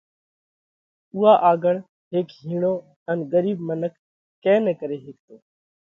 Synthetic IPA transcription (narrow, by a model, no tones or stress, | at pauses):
uːɦaːʔaːɡəɳ | ɦeːkɦiːɳoː | ənɡəɾiːbmənəkː | ɛ̃ːnɛ̃ːkəɾeːɦeːk̚t̪oː